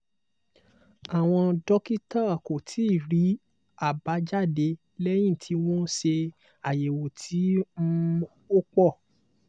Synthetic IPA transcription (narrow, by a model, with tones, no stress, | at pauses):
a˨w̃ɔ̃˧dɔ˦ki˦ta˦˨ko˨tʰi˨˦˨ɾi˨˦ | a˦˨ba˨˦d͡ʒa˦˨de˧ | lɛ˦j̃ĩ˦˨tʰi˨˦w̃ɔ̃˦ʃe˧ | a˨je˨wo˨tʰi˨˦ | o˦k͡pɔ˦˨